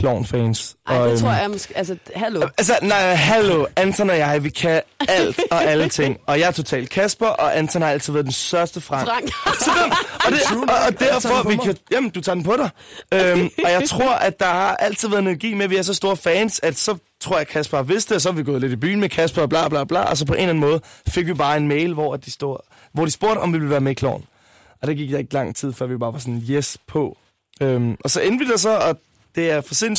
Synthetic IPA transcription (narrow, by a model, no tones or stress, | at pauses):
pʰlɒʊ̰nfɛːnsɒo̰jaæsæls̬ənaɪɦæloænt͡sʰɒnɒjɑ̈ɪʋikʰææl̰d̥ɒ̽ælət͡sʰe̝ŋ̰ɒ̽jɑ̈ɪæɐt͡sʰo̝t͡sʰɛ̰ːld̥̚kʰæsb̥ɐʔɒ̽ʔænt͡sʰɔn̩hɑ̈æl̰t͡sʰið̩ˠʋæɐðˠd̥enstɶɐsd̥əfʁɑ̈ŋ̰sɒɒd̥eːd̥æɐ̰fɒ̽ʋikʰæjæmnd̥ut͡sʰɑ̰̈ːdenpʰɒ̽ɾɑ̈ɪømɒ̽jɑ̈ɪt͡sʰʁo̝ɐ̰ʔæd̥ɑ̈hɑ̈ʔæl̰t͡sʰiðˠʋæɐðˠnolɡ̥ḭːmeʋiæɐs̬ɒ̽sd̥o̝ːɐfɛːnsæd̥sɒ̽t͡sʰʁoɐ̰jɑ̈kʰæsb̥æʋe̝sd̥eɒ̽s̬ɒhɑ̈ʋiɡ̥ɔ̽ːð̩ˠle̝d̥ib̥y̰ːn̩mekʰæsb̥ɐb̥lɑ̰̈ːb̥lɑ̰ːb̥lɑ̰̈ːɒs̬ɒ̽pʰɒ̽ʔe̝̰nlæn̩mɔ̽ːð̩ˠfe̝ɡ̥ʋib̥ɑ̈ːe̝nmeɪlʋɒæd̥̚d̥isd̥o̰ | ʋɒ̰d̥isb̥o̝ɐ̰ɾ̥ɒ̽mʋiʋ̥eʋæːɐmeikʰlɒ̰ːn̩ | ʔɒ̽d̥eɡiɡ̥d̥ɑ̈e̝ɡ̥lɑ̈ŋ̰t͡sʰið̞̰ˠfɶɐ̰ʋib̥ɑ̈ːʋɑ̈sɔ̽njespʰɒ̽ | ømʔɒ̽sɒ̽ʔend̥ʋid̥ɑsɒ̽ɒ̽ | d̥e̝æɐfɒsen̰